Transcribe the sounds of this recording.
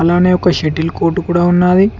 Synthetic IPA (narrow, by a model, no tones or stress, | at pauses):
ɐlaːneːɔkɐʃeʈilko̞ːɾʈukuːɽaːunːaːd̪i